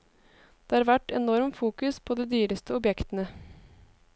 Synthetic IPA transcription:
d̪̥eːhɑːɾʋæʈːɛnɔɾmfuːkʉspʰoːd̪ɛːd̪yːɾəst̪ʰəɔbjɛkt̪ənə

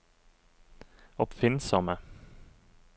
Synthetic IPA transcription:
ɔpfɪnsɔmə

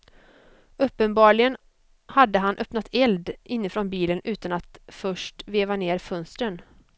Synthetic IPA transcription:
ɵpːənbɑːɭɪɡən | had̪ːəɦanʔœpnat̪ʰɛld̪ɪnːɪfɾɔnbiːlənʔʉ̟ːt̪anat̪fœʂʈveːvaneːɾfœnst̪ɾən

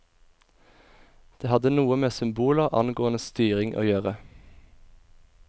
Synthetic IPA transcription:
d̪̥eːhɑd̪ənuːəmeːsʏmbuːləʁʔɑ̰nɡoːənəst̪yːʁɪŋʔo̰ːjøːʁə

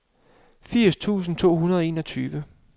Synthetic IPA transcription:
fiɐ̰st͡sʰṵːs̬n̩t͡sʰo̝̰ːɦunɐð̞ˠɒ̽e̝̰ːnɒt͡sʰyːʋə

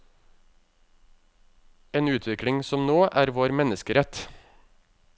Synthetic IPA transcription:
eːnʉːt̪ʰʋɪkɽɪŋsɔmnoːʔæːɾʋoːɾmɛnəskəɾɛt̪

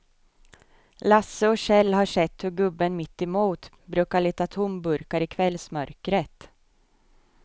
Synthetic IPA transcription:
lasəɔɕɛlːɦaʂɛt̪ːhɵɾɡɵbːənmɪt̪ːɪmuːt̪ | bɾʉ̟ːkaɭiːt̪at̪ʰʊmbɵɾkaɾɪkʰvɛlːsmœɾkɾət̪

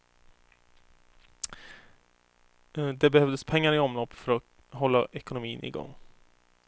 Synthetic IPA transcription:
d̪ɛbɛhœvd̪əspʰɛŋːaɾɪɔmlɔpːfœɾɔ | ɦɔlːaʔɛkʊnʊmiːnʔɪ̰ɡɔ̰ŋː

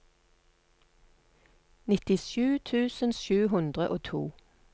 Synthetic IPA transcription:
nɪt̪ɪʃʉːt̪ʰʉːsənʃʉːɦʉnd̪ʁəʔoːt̪ʰṵː

